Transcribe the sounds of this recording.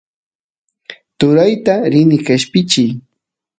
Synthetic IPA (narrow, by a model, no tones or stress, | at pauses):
t̪ʊɾajt̪aɾɪnɪkaʃpɪt͡ʃɪj